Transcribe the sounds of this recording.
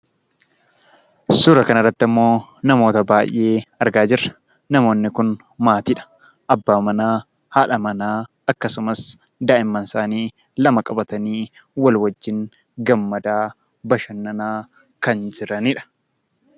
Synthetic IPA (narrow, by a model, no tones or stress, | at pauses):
sʊɾɐkɐnɐrːɐt̪ːɐmːo̞ːnɐmo̞ːt̪ɐbaːjʔe̞ːɐɾɡaːd͡ʒɪɾːɐ̥ | nɐmo̞ːnːɪkʊn | maːt̪iːᶑɐ̥ | ʔɐbːaːmɐnaː | haːᶑɐmɐnaː | ɐkːɐsʊmɐs | d̪aːʔɪmːɐnsaːniː | lɐmɐkʼɐbɐt̪ɐniː | wɐlwɐd͡ʒːɪŋ | ɡɐmːɐd̪aː | bɐʃɐnːɐnaː | kɐnd͡ʒɪɾɐniᶑɐ̥